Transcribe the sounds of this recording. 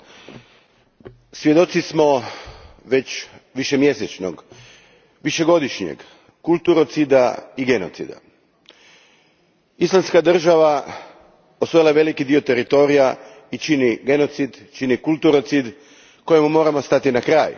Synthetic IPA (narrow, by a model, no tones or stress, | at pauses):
sʋje̞d̪o̞t̪sismo̞ | ʋe̞t͡ɕʋiʃemje̞set͡ʃno̰ɡ | ʋiʃe̞ɡo̞d̪iʃɲḛɡ | kulˠt̪uɾo̞t̪sid̪aiɡe̞no̰t̪sḭd̪a̰ | islˠamskad̪r̩ʒaʋa | osʋo̞jlˠaeʋe̞likid̪io̞t̪e̞ɾit̪o̞ːɾija | it͡ʃiniɡe̞no̞t̪sid̪t͡ʃinikulˠt̪uɾot̪sid̪ | ko̞jemumo̞ːɾamost̪at̪inakɾaːj